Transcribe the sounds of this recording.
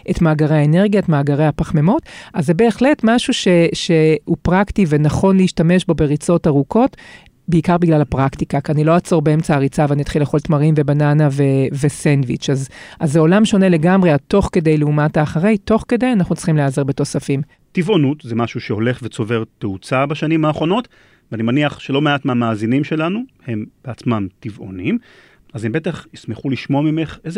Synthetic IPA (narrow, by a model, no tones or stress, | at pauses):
ʔetmaːɡaʁejaene̞ʁɡiaetmaːɡaʁejhapaχmemo̞tazːebe̞ːχle̞tmaʃuʃe̞ʃe̞upʁaktive̞naχo̞nleiʃtame̞ʃbo̞be̞ʁit͡so̞taʁuko̞t | beikaʁbiɡlalapʁaktikakianilo̞at͡so̞ʁbeemt͡saaʁit͡saveanit̪χileχo̞ltmaʁimve̞bananavevesenvit͡ʃazazːeo̞lamʃo̞ne̞le̞ɡamʁeat̪o̞χke̞d̪e̞jleumataːχaʁejto̞χke̞d̪e̞janaχnutt͡sl̥i̥χimleazeʁbe̞t̪o̞safim | tivo̞nutzemaʃuʃeo̞le̞χvet͡so̞ve̞ʁt̪eut͡sabaʃanimhaːχʁo̞no̞t | veanimaniaχʃelo̞meatmeamaːzinimʃe̞lanuhe̞mb̥eat͡smamtivʔo̞̰nim | azembe̞taχismeχuliʃmo̞mime̞χez